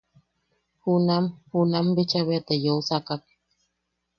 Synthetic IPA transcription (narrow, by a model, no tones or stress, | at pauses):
hunamhunambit͡ʃaβeat̪ejousakak